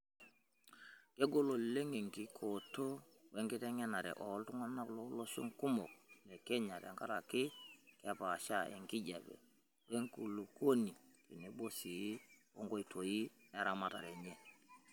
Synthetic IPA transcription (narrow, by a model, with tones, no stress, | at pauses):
ke˦ɡo˦lo˨le˦ŋe˨ŋki˦kʰo˨to˦ | we˦ŋki˦te˦ŋɛ˦na˨ɾɛ̰˨ʔɔ˨˦ltu˦ŋa˦na˦klo˦lo˦ʃo̰˦ŋku˦mo˨k̚ne˨ke˦ɲa˨tɛ̰˨ŋka˦ɾa˨ki˦ke˦pa˨ʃa˦ḛ˨ŋki˦d͡ʒa˨bɛ̰˨ | we˦ŋku˨lu˨ko˦ni˨ki˨ne˨bo˦si˨i˦wo̰˦ŋɡo˦i˨to˨ji˦e˦ɾa˦ma˦˨ta̰˨ɾe˨ɲe˨